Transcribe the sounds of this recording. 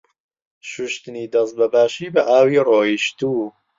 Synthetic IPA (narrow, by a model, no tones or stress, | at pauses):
ʃuʃt̪ɨniːd̪ɐs̬t̪̚bɐbaːʃiːbɐʔaːwiːroːiʃt̪uː